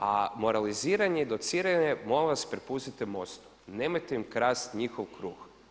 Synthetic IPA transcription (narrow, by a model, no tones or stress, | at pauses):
amoɾaliziːɾaɲed̪ot̪siːɾaɲemoleʋaspɾepust̪it̪imo̞st̪u̥ | neːmajt̪eimkɾaːst̪ɲixoʋkɾuːx